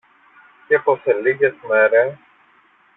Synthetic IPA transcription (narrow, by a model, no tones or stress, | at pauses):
cexoseliɣezmeɾes